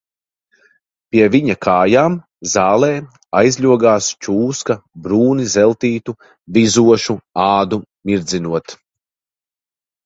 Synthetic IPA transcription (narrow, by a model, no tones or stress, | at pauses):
pʲiɛviɲakʰaːjaːm | zaːlˠɛː | ajzʎʲuɔɡaːst͡ʃuːskɐbɾuːnizɛlˠt̪iːt̪u | vizuɔʃuaːd̪umiɾd̪zʲinuɔt̪